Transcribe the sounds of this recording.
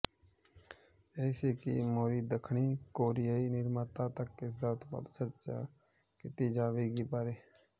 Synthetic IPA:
eːseːkḭːmoːɾiːd̪əkʰɳiːkoːɾɪjaiːnɪɾmaːt̪ãːt̪əkːɪs̬d̪aːʊt̪pa̰ːd̪t͡ʃəɾt͡ʃa̰ː | kɪt̪iːd͡ʒaːʋeːɡiːbaːɾeː

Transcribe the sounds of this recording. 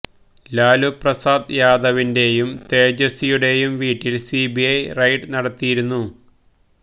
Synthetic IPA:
laːluprɐsaːd̪jaːd̪ɐʋinde̞jumt̪e̞ːd͡ʑɐsijuɽe̞jumʋiːʈːilsibiɐjrɐjʈɨnɐɽɐt̪ːijiɾunːu

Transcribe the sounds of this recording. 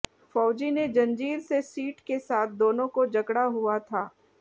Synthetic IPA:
fɔːd͡ʒined͡ʒɐ̃nd͡ʒiːɾsesiːʈkesaːt̪̚ʰd̪oːnõkod͡ʒɐkɽaɦuat̪ʰaː

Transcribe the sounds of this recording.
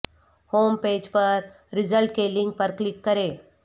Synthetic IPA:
hoːmpeːd͡ʒpəɾ | ɾɪzəlʈkeːlĩŋɡ̚pəɾklɪkːɐɾeː

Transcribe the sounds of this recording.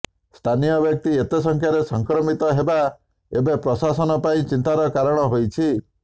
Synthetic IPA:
st̪ʰanijɔbjɔk̚t̪iet̪esɔŋkʰjaɾesɔŋkɾɔmit̪ɔɦeba | ebepɾɔsasɔnɔpaĩt͡ʃint̪aɾɔkaɾɔɽ̃ɔɦojt͡ʃʰi

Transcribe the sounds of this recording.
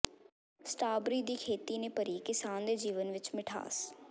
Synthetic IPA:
sʈaːbɾiːd̪iːkʰeːt̪iːneːpəɾiːkɪsaːnd̪eːd͡ʒiːʋənʋɪt͡ʃmɪʈʰa̰ːs

